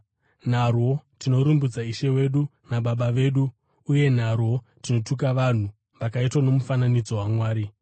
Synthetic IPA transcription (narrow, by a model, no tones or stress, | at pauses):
n̤arwo̞tino̞ɾumbud͡zaiʃe̞we̞ɗunaɓaɓaʋe̞ːɗuː | je̞n̤arwo̞ | tino̞tuk̬aʋan̤u | ʋakaitwano̞mufananid͡zo̞wamwaːɾi